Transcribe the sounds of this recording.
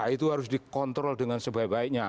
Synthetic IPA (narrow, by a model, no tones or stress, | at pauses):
ait̪uɦaɾʊsdikɔnt̪ɾɔldəŋansəbaibaɪk̚ɲa